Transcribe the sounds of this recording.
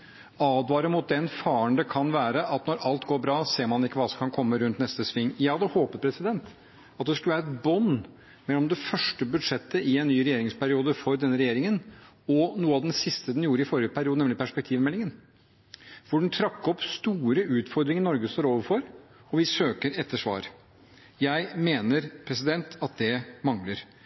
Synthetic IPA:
ɑːd̪ʋɑːɾəmʊt̪̚d̪ɛnfɑːəɳd̪əkʰɑnʋæːɾəʔɑt̪nɔɾɑlt̪ɡoːɾbɾɑːseːɾmɑnɪkːəʋɑːsɔmkʰɑnkʰɔmːəɾʉnt̪nɛst̪əsʋɪŋːjɑːd̪ɛhoːpəɾpʰɾɛsɪd̪ɛnt̪ | ɑt̪̚d̪ɛskʉlʋæːɾɛt̪bɔnː | mɛlːɔmd̪ɛfœʂʈəbʉd̪ʂɛt̪ːəʔɪɛnːyːɾɛjeːɾɪŋspʰæɾɪuːd̪əfɔɾd̪ɛnːəɾɛjeːɾɪŋən | ɔnuːəɑʋd̪ɛnsɪst̪əd̪ɛnjuːɾəɪfɔɾɪəpʰæɾɪuːd̪əɛmlɪpʰæʂpɛkt̪ʰiːʋmɛlːɪŋən | ʋʊɖɛn̩t̪ʰɾɑkːɔpst̪uːɾəʔʉːt̪fɔɾd̪ɾɪŋəɾnɔɾɡəst̪oːɾoːʋəɾfɔɾɔʋɪsøːkəɾɛt̪ːəʂʋɑ̰ːɾ | jæɪmeːnəɾpʰɾɛsɪd̪ɛnt̪ʰɑt̪̚d̪ɛmɑŋləɾ

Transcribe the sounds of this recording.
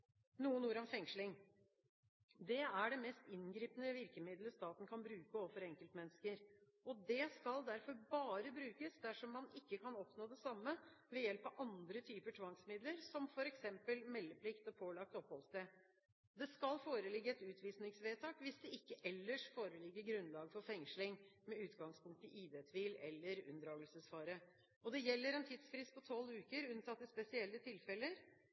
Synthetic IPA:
nuːənuːəɾɔmfɛŋʂlɪŋ | d̪ɛæɖɛmɛst̪ɪnɡɾiːpənəʋɪɾkəmɪd̪ləst̪ɑːt̪n̩kʰɑnbɾʉːkəoːʋəfɔɾɛŋkəlt̪mɛnːəskəɾ | ɔd̪ɛskɑld̪æɾfɔɾbɑːɾəbɾʉːkəsd̪æʂɔmːɑnɪkːəkʰɑnɔpnoːd̪ɛsɑmːəʋɛjɛlpɑʋʔɑnd̪ɾət̪ʰyːpəʈʰʋɑŋsmɪd̪ləɾsɔmfɔɾɛksɛmpəlmɛlːəpʰlɪkt̪ɔpʰoːlɑk̚t̪ɔphɔlst̪ɛ | d̪ɛskɑlfoːɾəlɪɡːəɛt̪ʉːt̪ʰʋiːsnɪŋsʋeːt̪ʰɑːkʋɪsd̪ɛɪkːəʔɛlːəʂfoːɾəlɪɡːəɡɾʉnlɑːɡəfɔɾfɛŋʂlɪŋmɛʉːt̪ɡɑŋspʰʊŋkt̪əʔiːd̪et̪ʰʋiːlɛlːəɾʉ̰nd̪əɾɑːɡəlsəsfɑːɾə | ɔd̪ɛjɛlːəɾɛnt̪ʰid̪sfɾɪst̪pɔt̪ʰɔlːʉːkəɾʉnɑt̪ːɪspɛsɪɛlːət̪ʰɪlfɛlːəɾ

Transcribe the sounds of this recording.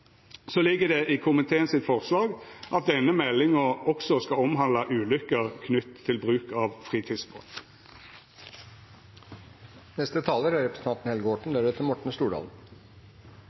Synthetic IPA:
soːlɪɡːəd̪ɛʔɪkʰʊmɪt̪ʰeːənsɪt̪fɔʁslɑːɡʔɑt̪̚d̪ɛnːəmɛlːɪŋəʁɔksɔskɑɔmɦɑnd̪lɑʔʉːlʏkəʁkʰnʏt̪ʰːɪlbʁʉːkɑʋfʁiːt̪ʰiːd̪sbɔ̰t̪ | nɛst̪ət̪ʰɑːləɾæɾɛpɾəsət̪ʰɑnt̪n̩hɛlɡəoːʈɳ̩d̪æːɾɛt̪ʰːɪmɔʈɳ̩st̪uːɖɑ̰ːln̩

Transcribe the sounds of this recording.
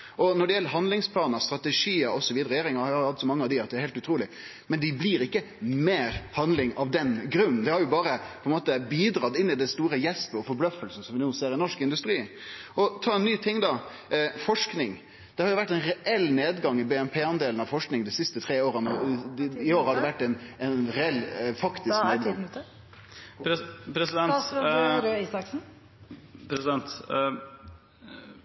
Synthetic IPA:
ʔɔnɔɖɛjɛlːəɾɦɑnd̪lɪŋspʰlɑːnɑst̪ɾɑt̪ɛʂiːəɾɔsɔʋiːd̪əɾɛjeːɾɪŋɑhɑɑɾhɑt̪ːsɔmɑŋːəɑʋd̪ɪɑt̪d̪ɛːɾhɛɪlt̪ʉt̪ɾuːlɪ | mɛnd̪ɪbliːɾɪkːə | meːɾhɑnlɪŋɑʋd̪ɛnɡɾʉnːnd̪ɛhɑɾjʊbɑːɾəpʰɔɛnmoːt̪əbiːd̪ɾɑːt̪ɪnːɪd̪ɛst̪uːɾəjɛspəɔfɔɾblœfːəlsn̩sɔmʋɪnuːseːɾɪnɔʂkɪnd̪ʉst̪ɾiː | ʔɔt̪ʰɑːɛnːyːt̪ʰɪŋːd̪ɑ | fɔʂknɪŋ | d̪̥ɛhɑɾjʊʋæʈːɛɪnɾɛʔɛlːneːd̪ɡɑŋːɪbɛːɛmpʰeːɑnd̪eːlən̩ɑʋfɔʂknɪŋd̪ɛsɪst̪ət̪ʰɾeːoːɾənə | ɪoːɾhɑɖ̪ɛʋæʈːɛnɛnɾɛɛlːfɑkt̪ɪskneːd̪ɑŋ | pʰɾɛsɪd̪ɛnɾiːsɑksn̩ | pʰɾɛsɪd̪ɛnt̪

